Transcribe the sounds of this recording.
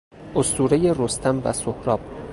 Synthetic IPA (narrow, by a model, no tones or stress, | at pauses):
ʔost̪uːɾejeɾost̪ʰæmvæ̰sohɾɒːb̥̚